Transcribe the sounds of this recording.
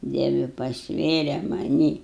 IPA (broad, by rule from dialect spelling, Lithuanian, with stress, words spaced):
ˈdʲiɛʋʲɪ pɐsʲˈʋʲeːrʲɛ mɐˈnʲiː